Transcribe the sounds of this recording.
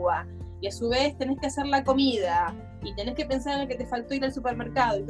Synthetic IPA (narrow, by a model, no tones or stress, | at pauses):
wa | iasuβ̞e̞st̪e̞neskease̞ɾlako̞mið̞a | it̪e̞ne̞ske̞pe̞nsaɾenloket̪e̞falt̪o̞iɾalsupe̞ɾme̞ɾkað̞oi